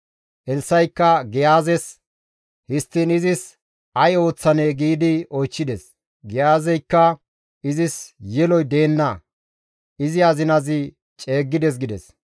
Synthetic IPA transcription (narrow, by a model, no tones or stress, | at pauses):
ʔɛlsːɐjkːɐɡɪjaːzɛs | hɪst̪ːinɪzɪs | ɐjo̞ːt͡sːɐneɡiːd̪ɪɔjt͡ʃːɪd̪ɛs | ɡɪjaːzɛjkːɐ | ɪzɪsjɛlɔjd̪e̞ːnːɐ | ɪzɪɐzɪnɐzɪ | t͡ʃʼe̞ːɡːɪd̪ɛs̬ɡɪd̪ɛ̰s